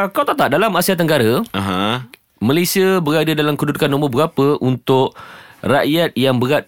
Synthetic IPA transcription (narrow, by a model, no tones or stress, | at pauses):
kawt̪at̪aʔ̚dalamasiat̪ːəŋɡaɾəaɦã | malasiəbəɾadədalamkudut̚kanːɔməbəɡapəʔunt̪ʊʔraʔjat̪̚jaŋbəɾat̪̚